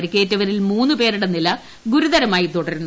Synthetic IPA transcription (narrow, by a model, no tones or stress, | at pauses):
ɾikʲːeːtːɐʋɐɾilmuːnːɨpe̞ːɾuɽɐnilɐ | ɡuɾuðɐɾɐmaːjit̪oɽɐɾunː